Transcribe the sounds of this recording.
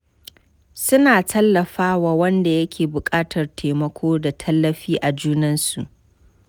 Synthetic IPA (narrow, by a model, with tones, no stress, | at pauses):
sʊ˦naː˨tʰɐ˦lːɐ˨ɸaː˦waː˨wɐ˦nda˨jɐ˦kʲʰeː˨bʊ˨kʼaː˦tʰɐ˨rtʰeː˨mɐ˦kʷʰoː˦da˨tʰɐ˦lːɐ˨ɸiː˦ʔa˨d͡ʒuː˦nɐ˦nsu˨ʔ